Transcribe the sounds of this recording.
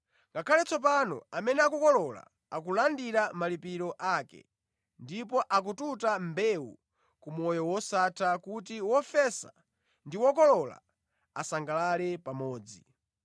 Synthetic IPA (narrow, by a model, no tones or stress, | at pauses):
ŋɡakʰalɛt͡sɔp̬anɔ̰amɛnɛakukɔlɔla̰ | akulandiɾamalipiɾɔʔakɛ̰ | ndipɔʔak̬ututambɛwṵ | kumɔjɔwɔsatʰakutiwɔfɛsa̰ | ndiwɔkɔlɔla̰ | asaŋɡalalɛpamɔːd͡zi